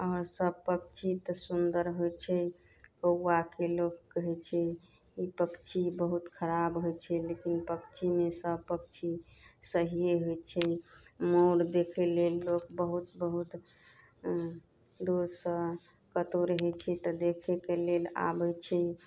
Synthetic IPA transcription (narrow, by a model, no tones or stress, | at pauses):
ɔɾsəb̚pək̚t͡ʃʰit̪əsund̪əɾɦojt͡ʃʰɛ | kəwːakelokːəɦɛt͡ʃʰɛ | ipəkt͡ʃʰibəɦut̪kʰəɾabɦojt͡ʃʰɛlekinpəkt͡ʃʰimesəb̚pək̚t͡ʃʰisəɦijeɦojt͡ʃʰɛmoɽd̪ekʰelelːokbəɦut̪bəɦut̪ | d̪uɾsə | kət̪oɾəɦɛt͡ʃʰɛt̪ɔd̪ekʰɛkelela̰bɛt͡ʃʰɛ